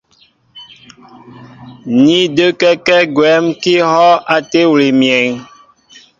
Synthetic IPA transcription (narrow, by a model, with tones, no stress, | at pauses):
ni˦də˦kɛ˦kɛ˦ɡwɛ˨˦mki˦hɔ˦ʔa˨te˦wle˨mjɛ˨ŋ